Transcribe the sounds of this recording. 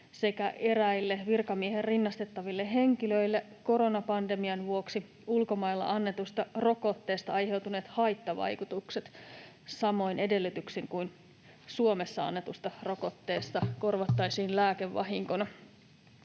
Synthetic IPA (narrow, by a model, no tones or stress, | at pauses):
se̞kæʔe̞ɾæilːeʋirkɑmieɦerrinːɑst̪e̞t̪ːɑʋilːeɦe̞ŋkiløilːe | ko̞ɾo̞nɑpɑnde̞miɑnʋuo̞ksi | ulko̞mɑilːɑ̰ʔɑnːe̞t̪ust̪ɑro̞ko̞t̪ːe̞ːst̪ɑɑjɦe̞wt̪une̞ːt̪hɑjt̪ːɑʋɑ̰jkut̪ukse̞t̪ | sɑmo̞jne̞de̞lːyt̪yksiŋkujn | suo̞mesːɑɑ̰nːe̞t̪ust̪ɑro̞ko̞t̪ːe̞ːst̪ɑko̞rʋɑt̪ːɑjsiːnlæːkeʋːɑ̰ɦiŋkonɑ